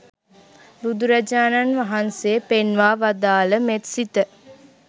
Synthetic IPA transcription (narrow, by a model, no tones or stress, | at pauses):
bud̪uɾad͡ʒaːnanʋaɦanseəpenʋaːʋad̪aːləmet̪sit̪ə